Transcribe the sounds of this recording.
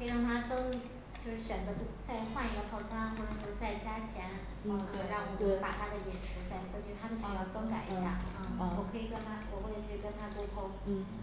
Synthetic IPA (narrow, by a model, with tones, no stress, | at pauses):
kʰɤ˥i˨˧ɻɑ˥˩ŋt̪ʰa˥t͡sɤ˥ŋ | t͡ɕjo˥˧ʊʂɻ̩˥˩ɕɥɛ˨˩nd͡zɤ˧˥t̪u˥˩t͡sa˥˧ɪxwa˥˧ni˧˥ɡə˧pʰɑ˥˩ʊt͡sʰɤ˥a˥˩xwɔ˥˩ʈ͡ʂɤ˨˩ʂjo˧˥˧t͡sa˥˩ɪt͡ɕja˥t͡ɕʰjɛ˧˥n̩˧˩ | kʰi˧ɻɑ˥˩ŋwɔ˨˩˥pa˨˩t̪ʰa˥d̪ə˨jɛ˨˩nʈ͡ʂʰu˧˥t͡sa˥˩ɪkə˥nt͡ɕy˥˩t̪ʰa˥d̪ə˧˩ɕɑ˨˧˩jɑ˥˧ʊkɤ˥ŋka˨˩ɪi˧˥ɕja̰˥˩˥wɔ˨˩kʰɤ˧˥i˨˩kə˥nt̪ʰa˥wɔ˨˩xwɔ˥˩ʈ͡ʂə˨˩t͡ɕʰi˥ɻkə˥nt̪ʰa˥kwɔ˥kʰo˥ʊ˥˩